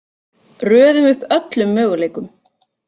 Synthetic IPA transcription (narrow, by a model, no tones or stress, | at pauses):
rœːðʏmʏhpœt̪lʏmːœːɣʏleːjkʏm